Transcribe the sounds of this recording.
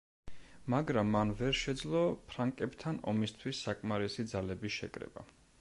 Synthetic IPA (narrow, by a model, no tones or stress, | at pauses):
maɡɾamːanvɛɾʃɛd̪zlˠɔpʰɾaŋkʼɛbt̪ʰanɔ̰mist̪ʰwisːakʼmaɾɛsid̪zalɛbiʃɛ̰kʼɾɛ̰ba̰